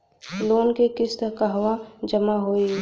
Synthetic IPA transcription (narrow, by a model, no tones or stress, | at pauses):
loːnkekɪst̪əkaɦʋad͡ʒəmaɦoːi